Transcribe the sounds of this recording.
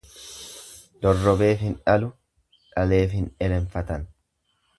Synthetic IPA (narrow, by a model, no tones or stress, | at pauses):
d̪̥ɔrːɔbe̞ːfhɪnᶑɐlʊ | ᶑɐle̞ːfhɪnᶑɛlɛɱfɐt̪ɐn